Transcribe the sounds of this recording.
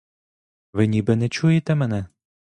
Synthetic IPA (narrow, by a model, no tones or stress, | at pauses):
ʋɪnʲibɛnɛt͡ʃujɪt̪ɛmɛnɛ